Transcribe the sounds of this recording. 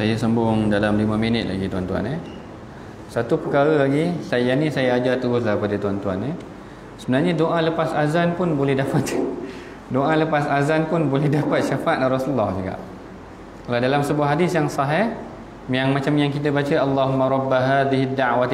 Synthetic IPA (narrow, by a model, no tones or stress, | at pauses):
sajasəmbʊŋdalamlimə̃minɪt̪̚la̰ɡit̪uant̪ua̰nə | sat̪upəkaɾəlaɡisajanisajaad͡ʒat̪uɡʊslahəpadət̪uant̪ua̰nə | səbənarɲadoʔaləpasazanpʊnbolɛhdapat̪ | doʔaləpasazanpʊnbolɛhdapat̪̚ʃafat̪̚larɔsulːɔhd͡ʒuka̰ʔ | kaladalamsəbuahɦadisjaŋsɑɦɪh | jaŋmãt͡ʃamjaŋkit̪̬əbat͡ʃəʔalːaɦumːaɾˤɔbːaɦaːðiɦid̪ːawa